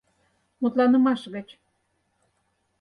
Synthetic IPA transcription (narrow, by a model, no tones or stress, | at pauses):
mut̪lɑnə̆mɑʃɣə̆t͡ɕ